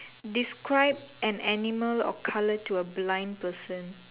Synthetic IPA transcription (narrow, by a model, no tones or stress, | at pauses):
diskɹaɪb̚ɛ̃nɛniməlɔ̰kʰalətuəblãɪ̃npəsə̃n